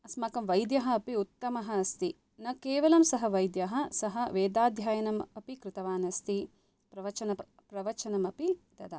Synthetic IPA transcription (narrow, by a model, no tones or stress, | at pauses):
ɐsmaːkɐmʋɐjd̪jɐɦɐ̆ːpiut̪ːɐmɐɦɐ̆ɐst̪i | nɐkeːʋɐlɐmsɐɦɐʋɐjd̪jɐɦɐ̆sɐɦɐʋeːd̪aːd̪ʱjaːjɐnɐmɐpikɾɪt̪ɐʋaːnɐst̪i | pɾɐʋɐt͡ʃɐnɐ | pɾɐʋɐt͡ʃɐnɐmɐpit̪ɐd̪ɐ